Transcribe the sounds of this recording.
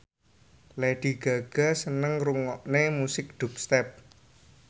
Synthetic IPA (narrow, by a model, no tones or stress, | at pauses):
leɖ̪̥i̤ɡ̥a̤ɡ̥a̤sənəŋruŋɔʔnemusɪk̚d̪̥ṳp̚st̪ɛp̚